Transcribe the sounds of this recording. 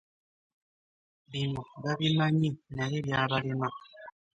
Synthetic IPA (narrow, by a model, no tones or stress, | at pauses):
binɔbabinaɲinaɾebjabaɾina